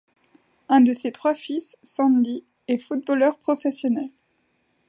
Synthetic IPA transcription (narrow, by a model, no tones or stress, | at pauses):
ɛ̃d̪əset̪χwafisːɑ̃nd̪i | ɛfut̪̚bolœʁpχɔfɛsjɔnɛl